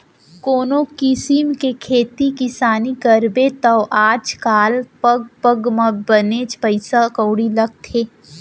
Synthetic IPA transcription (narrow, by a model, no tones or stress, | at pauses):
koːnokɪsimkekʰeːt̪ikɪsaːnikɐɾbet̪ɐʋʔaːd͡ʒkaːlpɐɡ̚pəɡmɐbəneːt͡ʃpəɪsakəːɽilɐɡ̚t̪ʰeː